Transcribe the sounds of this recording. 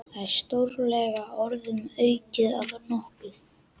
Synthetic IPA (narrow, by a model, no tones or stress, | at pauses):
aɾst̪owɾlɛɣaɔɾðʏmœɥcɪða̰laɾnɔhkʏð